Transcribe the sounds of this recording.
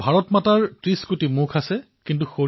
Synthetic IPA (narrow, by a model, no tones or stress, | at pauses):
bʱaɹɔtmataɹtɹiskutimukʰasɛ | kint̬uxo